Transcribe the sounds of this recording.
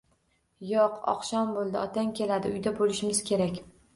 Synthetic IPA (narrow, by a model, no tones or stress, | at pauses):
joqʰɒ̰qʃɒnbolˠd̪ɪɒt̪ʰaŋkʲe̞lad̪ɪʊjd̪abolɪʃɪmɪz̥kʲʰe̞ɾakʲ